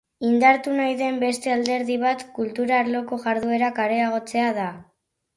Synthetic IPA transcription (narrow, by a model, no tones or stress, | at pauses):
ind̪aɾt̪unajðe̞mbe̞st̪e̞ald̪e̞ɾðiβ̞at̪kult̪uɾaːɾlo̞ko̞ɣaɾðue̞ɾakaɾe̞aɣ̞o̞t͡se̞aða